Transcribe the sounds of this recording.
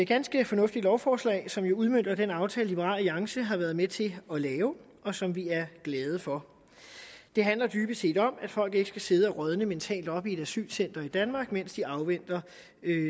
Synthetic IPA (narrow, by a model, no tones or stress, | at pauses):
e̥ɡ̥ænsɡ̥əfɒ̽nɔ̽fd̥idlɒʊfɒːslɛ̰ːɪsɒ̽mjo̝uð̞ˠmøn̰d̥ɐd̥enɑ̈ʊt͡sʰɛːllib̥əʁɑ̰̈ːliɑ̈ŋsəɦɑ̈ʋæɐð̞̩ˠmet͡sʰe̝lɒ̽lɛːʊ | ɒ̽sɒ̽mʋiæɐɡ̥lɛːð̞ˠəfɒ̽ | d̥e̝ɦænlɐd̥yːb̥əse̝̰ːd̥ɒ̽mæd̥fɒ̽l̰ɡ̥e̝ɡ̥ə̥sɡ̥æse̝ð̞ˠəæʁœð̞ˠnəment͡sʰɛ̰ːld̥ɒ̽b̥ie̝d̥æsy̰ːlsen̰d̥ɐid̥ænmɑ̈ːɡ̥men̰sd̥iɑ̈ʊʋen̰d̥ɐ